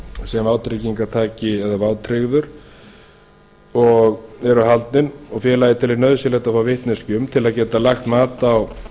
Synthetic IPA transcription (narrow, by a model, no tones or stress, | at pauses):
sɛmaːwt̪ʰɾɪciŋkat̪ʰaːcɪɛðavaːwt̪ʰɾɪɣðʏɾ̥ | ɔɣɛɾʏɦalt̪nɪnɔɣfjɛːɾlaːjɪt̪ʰɪlːɪɾnœðʏsjɛlɛht̪afaːwvɪht̪nɛscʏmt̪ʰɪlaðcɛːt̪alaxt̪maːt̪aːw